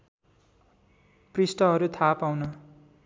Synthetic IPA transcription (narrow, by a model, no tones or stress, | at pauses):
prisʈʌɦʌɾut̪ʰapawnʌ